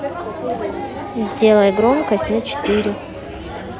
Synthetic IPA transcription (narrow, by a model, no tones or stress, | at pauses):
zʲdʲe̞lˠəjɡɾomkɐsʲtʲnɐt͡ɕɪ̥t̪ɨɾʲɪ